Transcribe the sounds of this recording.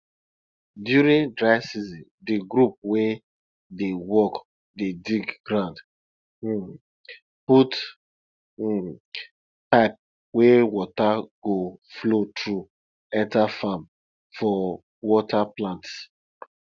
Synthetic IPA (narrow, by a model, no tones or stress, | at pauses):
djuɹĩndɹaɪsizĩndiɡɾup̚we | dewɔk | dediɡɡɹãnd | put | paɪp̚ | wewɔtaɡ̥oflotʰɹu | ɛ̃ntafam | fɔ | wɔtaplãnts